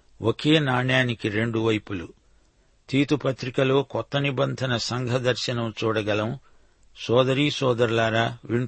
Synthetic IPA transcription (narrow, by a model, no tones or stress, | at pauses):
wʔoke̞ːnaːɳjaːnikiɾe̞ɳɖuʋɐjpulṵ | t̪iːt̪upɐt̪ɾikɐlo̞ːkɔt̪ːɐnibɐnd̪ʱɐnɐsɐŋɡʱɐd̪ɐɾʃɐnɐmt͡ʃuːɽɐɡɐlɐm | sɔːd̪ɐɾiːsɔːd̪ɐɾlaːɾaːʋiɳ